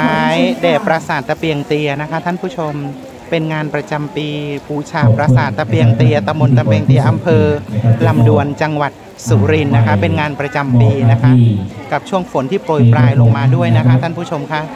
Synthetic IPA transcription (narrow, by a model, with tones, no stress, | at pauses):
aː˦jdɛː˨˩pːɾa˧saː˨˩t̪ːa˧pi˧əŋt̪i˧ɐna˦˥kʰa˦˥t̪ʰa˥˩npʰuː˥˩t͡ɕʰo˧m | pe˧nŋaː˧npɾa˧t͡ɕa˧mpiː˧puː˧˦t͡ɕʰaː˨˧˩pɾa˧saː˨˩t̪ːa˧pi˧əŋt̪i˧ɐt̪a˧mbo˧nt͡ɕ̪a˧mpi˧əŋt̪i˧ɐʔa˧mpʰɤː˧la˧mdu˧ənt͡ɕa˧ŋwa˨˩t̪̚ | suː˩˦ɾi˧nːa˦˥kʰa˦˥pe˧nŋaː˧npɾa˧t͡ɕa˧mpiː˧na˦˥kʰa˦˥ʔka˨˩p̚t͡ɕʰu˥˩əŋfo˩˦nt̪ʰiː˥˩pɾo˧jpɾaː˧jlo˧ŋmaː˧du˥˩əjna˦˥kʰa˦˥t̪ʰa˥˩npʰuː˥˩t͡ɕʰo˧mkʰa˦˥ʔ